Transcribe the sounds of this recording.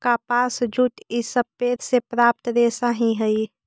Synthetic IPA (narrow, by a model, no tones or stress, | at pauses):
kapasd͡ʒuʈisəb̚pet̪sepɾap̚t̪d̪esaɦĩɦəi